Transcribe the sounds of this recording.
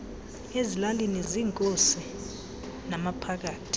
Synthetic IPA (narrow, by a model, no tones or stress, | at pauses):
ezilaliniziːŋkʼosi | namapʰak̬aːtʰi̥